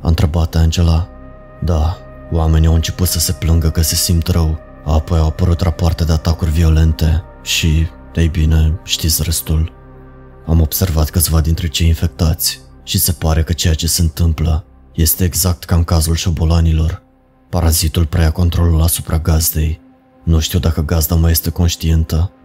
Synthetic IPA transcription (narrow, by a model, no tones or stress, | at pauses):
a̰nt̪ɾe̞bat̪and͡ʒe̞la | d̪a | wame̞nʲawɨnt͡ʃe̞put̪səse̞plɨŋɡəkəse̞simt̪rəw | aːpo̞jawapəɾut̪rapoart̪ed̪e̞at̪akurʲvio̞le̞nt̪e̞ | ʃi | ejbine̞ʃt̪it̪sʲrest̪ul | amo̞b̥se̞rvat̪kɨt̪sʲvad̪int̪ɾe̞t͡ʃe̞jinfe̞k̚t̪at̪sʲʃise̞paɾe̞kət͡ʃe̞jat͡ʃe̞se̞ɨnt̪ɨmplə | je̞st̪e̞ːɡzak̚t̪kaɨŋkazulʃo̞bo̞lanilo̞r | paɾazit̪ulpɾe̞jako̞nt̪ɾo̞lulasu̥pɾaɡazd̪e̞j | nuʃt̪iwd̪akəɡazd̪amaje̞st̪e̞ko̞nʃt̪ient̪ə